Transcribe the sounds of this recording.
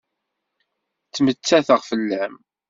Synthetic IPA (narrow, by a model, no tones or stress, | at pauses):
t͡sːmət͡sːæθəʁfəlːæm